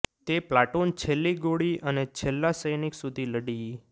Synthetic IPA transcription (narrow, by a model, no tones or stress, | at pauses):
t̪eplaʈont͡ʃʰelːiɡoɽiənet͡ʃʰelːasəjniksud̪ʱiləɽi